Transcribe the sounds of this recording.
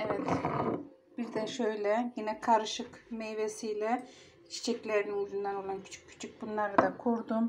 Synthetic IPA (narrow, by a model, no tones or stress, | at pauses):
ɛvɛt̪ | b̥iɾd̪ɛʃø̞jlʲɛjinɛkʰaɾɯʃɯkmejvesijlʲɛ | t͡ʃʰi̥t͡ʃʰɛclʲeɾininjyzynd̪ænolˠancʰy̥t͡ʃʰy̥cʲcʰːy̥t͡ʃʰyc̚bunlˠaɾad̪akʰuɾd̪um